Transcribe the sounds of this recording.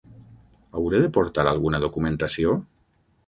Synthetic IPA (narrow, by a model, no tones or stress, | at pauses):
awɾeðepoɾt̪aɾalˠɣunaðokumẽnt̪asio